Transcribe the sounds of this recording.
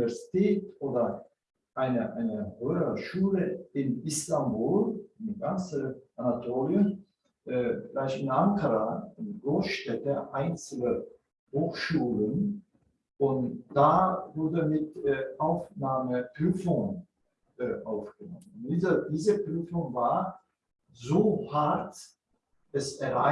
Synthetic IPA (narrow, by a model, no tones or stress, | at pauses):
ɛɐzitʰɛːtʔoːdɐ | ʔaɪnəʔaɪnəhøːɐʃuːləɪnʔɪstambuːlnɡant͡səʔanatʰoːljə | ʔflaɪçtɪnʔaŋkʰɐʁaɪnɡ̥ʁoːsʃtɛtəʔaɪnt͡sl̩ə | hoːxʃuːlən | ʔʊntd̥avʊɐdəmɪtːʔaʊfnaːməpʁ̥yːfʊŋən | ʔʔaʊfɡ̥ənɔmənʊnd̥iːzədiːzəpʁ̥yːfʊŋvaːɐ | zoːhaɐt | ʔɛsɛɐʁa̰